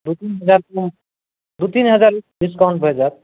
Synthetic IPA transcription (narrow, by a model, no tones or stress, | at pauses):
d̪ut̪inɦʌd͡zaɾkum | d̪ut̪inɦəd͡zaɾuɖiskaʊ̃ɳʈ̚bʱʌjd͡ʒat̪̚